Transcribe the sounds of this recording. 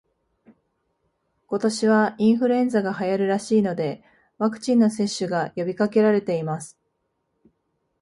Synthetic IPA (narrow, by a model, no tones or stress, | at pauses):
ko̞t̪o̞ɕiβ̞aĩɰ̃ɸɯ̟ɾɯẽ̞nzaɡahajaɾɯ̟ɾaɕiːno̞d̪e̞ | βakɯ̟̥t͡ɕĩnːo̞se̞ɕːɨɡajo̞bʲikake̞ɾaɾe̞t̪e̞imasɨ̥